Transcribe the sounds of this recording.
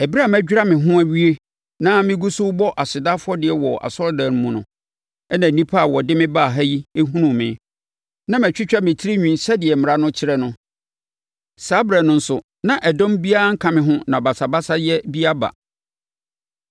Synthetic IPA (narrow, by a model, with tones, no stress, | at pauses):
ɛ˨bi˦ɾa˦˨mæ˦d͡ʑᶣɾa˦mɪ̃˨ɦʊ̃˦æ˦˨ɥi˦e˦ | nã˦mɪ̃˦ɡu˦sʊ˦bɔ˦ʔa˨sɪ˨da˦fʊ˦ɔ˦dɪ˨ɛ˨wɔ˨ʔa̰˨sɔ˦lda˨ñ˨mũ˨nʊ̰̃˨ | ɛ˦nã˨nĩ˦pʰa˦a˨wɔ˨dɪ˦mɪ̃˦baː˦˨ɦa˦ji˦e˦ɦũ˦nũ˨mɪ̃˨˦ | nã˦m˨æ̃˨t͡ɕᶣɪ˦t͡ɕᶣa˦mɪ̃˨tʰi˦ɾi˦ɲᶣĩ˨n˦sɛ˦dɪ˨ɛ˨mɪ̃˨ɾa˦nʊ̃˦t͡ɕʰɪ˦ɾɛ˦nʊ̃˦ | saː˦bɾɛ˨nʊ̃˨n̩˦sʊ˨ | nã˨ʔɛ˨dɔ̃˦mbi˦a˦a˦ŋ̩˦kʰã˨mɪ̃˨ɦʊ̃˦nã˨ba˨sa˨ba˦sa˦jɛ˦bi˦a˦ba̰˨